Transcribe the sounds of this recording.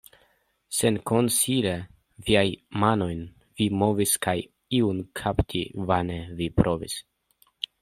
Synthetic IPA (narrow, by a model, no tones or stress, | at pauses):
senko̞nsiɾe | viajmano̞jn | vimo̞viskaj | iunkʰaptʰivanevipɾʔo̞vḭs